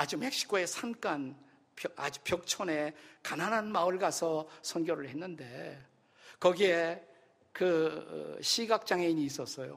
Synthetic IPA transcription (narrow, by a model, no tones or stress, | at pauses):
ad͡ʑume̞k̚ɕ͈i̥kʰoe̞sʰank͈an | pjʌa̰d͡ʑu̥pjʌk̚t͡ɕʰone̞kananɦanmaɯɭɡasʰʌsʰʌnɡjʌɾɯɭhe̞nːɯnde̞ | kʌɡie̞ | kɯ̰ | ɕʰiɡak̚t͡ɕ͈aŋeiɲiːs͈ʌs͈ʌjo̰